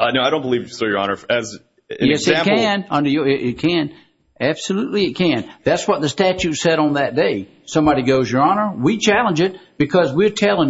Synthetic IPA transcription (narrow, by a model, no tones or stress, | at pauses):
ʌnoʊaɪɾõʊ̃nb̥əlivsə˞jə˞ɑ̰nə˞ɨz | ɨ̃jɛsɨæ̃kɨ̃nʌ̃ndə˞jɪʔɪt̚kʰɨ̃n | æb̥səlutˡliɨt̚kʰɨ̃nðætswʌt̪̚ðɨstæt͡ʃʉtsɛɾn̩ðɨt̚d̥eɪ | sʌ̃mbɑɾiɡoʊzjə˞ɑnə˞wit͡ʃʰælˠə̃nd͡ʒɨt̚b̥ɨkʰʌzwɪɹtʰɛlˠɪ̃ŋ